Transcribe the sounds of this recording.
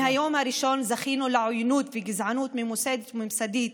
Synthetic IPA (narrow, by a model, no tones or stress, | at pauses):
hajoːmaɾɪʃoːnzaxiːnulaʕʊjnuːt̪fiɡɪzʕanuːt̪mɪnmʊseːd̪mɪmsad̪iːt̪